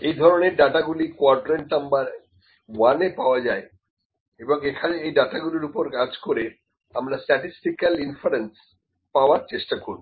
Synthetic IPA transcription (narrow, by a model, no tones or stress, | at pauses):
ejd̪ʱɔɾoneɾɖaʈaɡulikoaɾɖɾeɳʈnambaɾ | wanepaoad͡ʑae | eboŋekʰaneejɖaʈaɡuliɾupoɾkad͡ʑkoɾe | amɾasʈɛʈisʈikalinfaɾens | paoaɾt͡ɕeʃʈakoɾ